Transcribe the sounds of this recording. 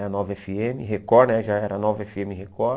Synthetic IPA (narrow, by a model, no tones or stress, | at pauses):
nɔvɛfiẽmɪɦekɔɾnɛʒaɛɾɐnɔvɐɛfiẽmɪhekɔɾ